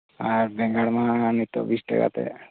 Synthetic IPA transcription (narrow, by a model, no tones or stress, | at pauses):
aɾbɛ̃ŋɡaɽmãnit̪obisʈə̰ka̰t̪ḛ